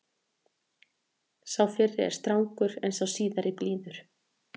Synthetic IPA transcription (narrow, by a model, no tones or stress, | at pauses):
sawfɪrːɪɛ̰ɾ̥st̪ɾawŋkʏɾɛ̰nsawsiːðaɾɪpliːðʏɾ̥